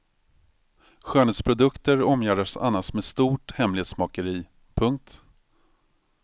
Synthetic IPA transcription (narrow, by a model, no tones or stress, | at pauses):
ɧœːɳəspʰɾʊd̪ɵkt̪əɾɔmjæːɖaʂa̰nːasmeːst̪uːʈhɛmlɪheːt̪smɑːkəɾiː | pʰɵŋk̚t̪